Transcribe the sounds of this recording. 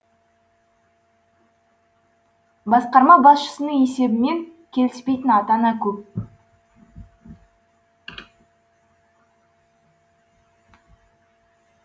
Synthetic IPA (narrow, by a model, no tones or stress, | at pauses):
bɑsqɑɾmɑbɑsʃə̥sənəɴe̞se̞bɪme̞ŋkʲʰe̞lɪspe̞jt̪ɪnɑt̪ɑnɑkʲʰɵp̚